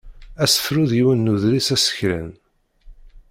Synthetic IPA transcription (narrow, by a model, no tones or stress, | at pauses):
æsə̥fɾuðjiwənːuðɾisæsə̥çɾə̰n